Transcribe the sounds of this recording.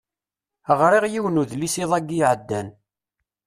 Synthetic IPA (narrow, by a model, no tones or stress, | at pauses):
əʁɾiʁjiwnuðlisiðˤæɡijʕəd̪ːæn